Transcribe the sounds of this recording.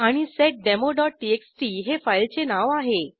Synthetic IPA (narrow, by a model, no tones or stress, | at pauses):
aɽ̃iseʈ̚ɖemoɖɔʈ̚ːieksʈiɦefajlt͡senaʋaɦe